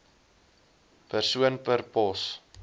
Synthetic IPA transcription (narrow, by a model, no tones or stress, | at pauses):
pərsuənpərpɔs